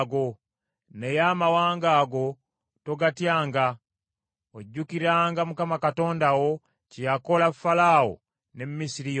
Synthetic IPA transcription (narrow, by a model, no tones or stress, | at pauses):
ɡo̞ | nejamawaːŋɡaːɡo̞ | to̞ɡatjaːŋɡa | oɟːukiɾaːŋɡamukamakato̞ːndawo̞ | cijako̞lafalaːwo̰ | nemmːisiɾij